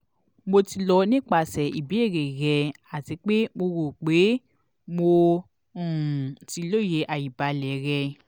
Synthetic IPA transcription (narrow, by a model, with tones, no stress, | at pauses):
mo˧ti˧lɔ˧nĩ˦k͡pa˧˨sɛ˨i˨bi˨˦e˦˨ɾe˨ɣɛ˧ | a˨ti˨˦k͡pe˦mo˧wo˨k͡pe˨˦ | mõ˧˨ | ti˧lo˦˨je˨˦ʔa˨ji˨ba˨˧lɛ˨˦ɾɛ˧